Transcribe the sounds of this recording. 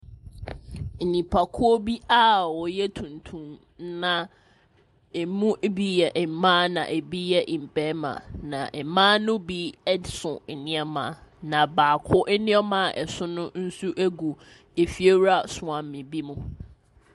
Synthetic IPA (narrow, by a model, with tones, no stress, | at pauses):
e˨nĩ˨pʰa˨kʰʊ˦ɔ˦bi˦a˦wɔ˨jɛ˦tʰũ˨ntʰũ˦m | nã˨ | e˨mũ˦ʔbi˦jɛ˨ʔɛ˨mãː˦nã̰˨ʔe˨bi˦jɛ˦ʔĩ˨m̩˨pɛ˦mã̰˨nã˨ʔɛ˨˦mãː˦nʊ̃˦bi˦sʊ̃˨ɛ˨nɪ̃˦ɛ˦mã̰ː˨nã˨baː˨kʰʊ˦ʔɛ˦nɪ̃˦ɛ˦mã˨˦˨ʔɛ˨sʊ̃˦nʊ̃˦n̩˦su˦ʔæ˦ɡu˨ | e˨fi˨e˦ɾa˦˨sʊ˨ã˨m̩˨mɪ̃˨bi˦mũ˨